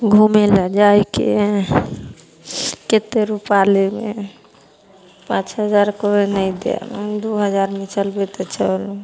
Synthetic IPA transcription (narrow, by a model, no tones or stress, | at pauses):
ɡʱumelad͡ʒaikḛ | ket̪eɾupalemḛ | pãt͡ʃɦəd͡ʒaɾkoenəjd̪ḛmd̪uɦəd͡ʒaɾmit͡ʃəlbet̪ɔt͡ʃʰəlu